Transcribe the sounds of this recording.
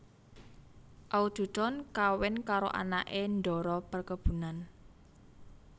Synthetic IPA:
ʔaud̪̥ṳt̪ɔnkawɪnkaɾo̰ʔa̰naʔenɖ̪ɔɾɔpərkəb̥ṳnan

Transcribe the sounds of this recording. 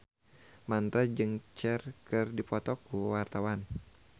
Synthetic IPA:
mant̪ɾad͡ʒɨŋt͡ʃɛrkɨrdipɔt̪ɔkuwart̪awan

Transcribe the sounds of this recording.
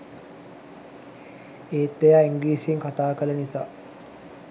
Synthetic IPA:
eːt̪ːejaːiŋɡliːseŋkat̪aːkələnisa̰ː

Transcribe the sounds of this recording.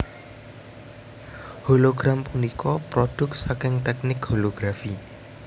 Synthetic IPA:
holoɡ̥ɾampunikʰɔpɾɔɖ̥ʊ̤k̚tsakɪŋt̪ɛk̚nɪkholoɡ̥ɾafi

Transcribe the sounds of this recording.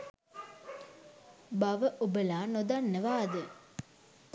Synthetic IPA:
baʋəʔubəlaːnod̪anːəʋaːd̪ə

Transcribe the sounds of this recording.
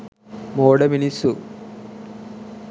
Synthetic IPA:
moːɽɐminisu

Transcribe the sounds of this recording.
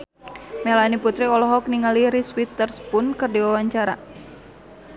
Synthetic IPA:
mɛlaniput̪ɾiɔlɔɦɔkniŋaliɾiswit̪ərspʊnkɨrdiwawaɲt͡ʃaɾa

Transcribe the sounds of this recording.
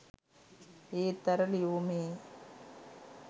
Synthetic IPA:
eːt̪ɐɾɐlijoːmeː

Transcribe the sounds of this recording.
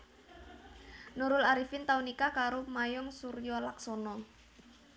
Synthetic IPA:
nuɾʊlaɾifɪnt̪aunikakaɾomajɔŋsuɾjɔlaksɔnɔ

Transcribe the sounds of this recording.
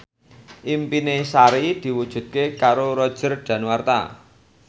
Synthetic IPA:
ʔimpinesaɾid̪̥i̤wud̥ʒ̥ṳt̪̚kekaɾoɾɔd̥ʒ̥ərɖ̥ä̤nwart̪a̰

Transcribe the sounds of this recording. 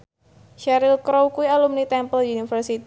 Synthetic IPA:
ʃaɾɪlkɾowkuialumnit̪ɛmpəldiunifərsit̪

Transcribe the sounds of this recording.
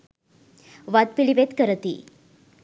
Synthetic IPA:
ʋad̪̚piɭiʋet̪kəɾət̪ḭː

